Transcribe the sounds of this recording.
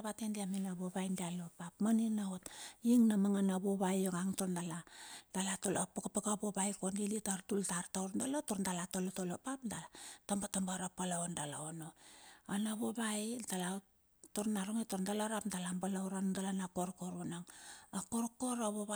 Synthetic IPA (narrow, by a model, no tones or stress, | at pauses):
aβatendiaminaβoβajndialopapmaninaotiŋnamaŋanaβoβajoŋaŋtondalad̥alatolapakapakaβobajkondilitaɾtultaɾtawɾndalotoɾndalatolotolopapdaatambatambaɾapalaondala̰onoanaβoβajtala | toɾnaɾoŋetoɾndalaɾapndalambalawɾanondalanakoɾkoɾonaŋakoɾkoɾaβoβa